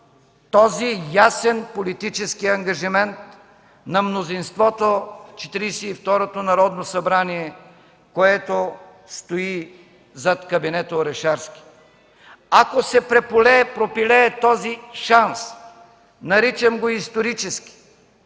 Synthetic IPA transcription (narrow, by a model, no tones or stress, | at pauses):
t̪ɔzijasɛnpolit̪it͡ʃɛskiɐŋɡɐʒimɛnt̪ | nɐmnozinst̪vɔt̪oft͡ʃɛ̥t̪iɾisiift̪ɔɾot̪onɐɾɔd̪nosɐbɾaniɛ | koɛt̪o | st̪oi | zɐt̪kɐbinɛt̪oɾɛʃaɾski̥ | akosɛpɾɛpolɛːpɾopilɛːt̪ɔziʃans | nɐɾit͡ʃɐmɡoist̪oɾit͡ʃɛski̥